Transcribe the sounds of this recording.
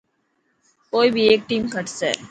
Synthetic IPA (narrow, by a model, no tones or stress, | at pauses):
koːibʱieːk̚ʈiːmkəʈsḛː